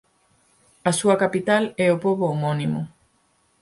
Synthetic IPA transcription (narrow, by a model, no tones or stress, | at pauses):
ɐsuɐkapit̪alɛopoβoːmonimo